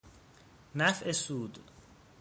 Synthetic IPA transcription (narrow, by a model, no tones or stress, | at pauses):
næfʔesuːd̪